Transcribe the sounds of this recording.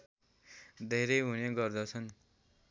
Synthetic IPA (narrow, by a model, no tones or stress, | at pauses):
d̪ʱeɾʌjɦuneɡʌrd̪ʌt͡sʰʌn